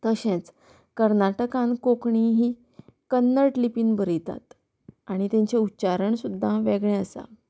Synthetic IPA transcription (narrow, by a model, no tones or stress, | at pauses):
t̪əɕẽt͡s | kəɾnaʈəkãnkokɳiɦiː | kənːəɾʈlipiːnbəɾit̪a̰t̪ | aɽ̃it̪ẽɲt͡ɕeutːt͡ɕaɾəɳsud̪ʱːaʋeɡɳeəsa̰